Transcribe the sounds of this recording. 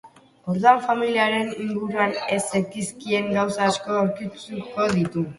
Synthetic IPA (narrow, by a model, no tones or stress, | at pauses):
o̞ɾðuaɱfamiliaɾe̞niŋɡuɾuane̞sekiskie̞ŋɡawsaːsko̞awɾkit͡suko̞ðit̪u